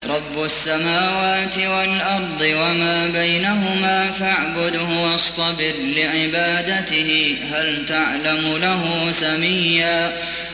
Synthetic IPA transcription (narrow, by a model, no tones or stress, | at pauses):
ɾˤɑbːʊasːamaːwaːt̪ɪwalʔɑɾˤd̪ˤɨwamaːbajnaɦʊmaːfaʕbʊd̪hʊwɑst̪ˤɑbɪɾlɪʕɪbaːd̪at̪ɪhɪɦalt̪aʕlamʊlaɦʊsamɪjːaː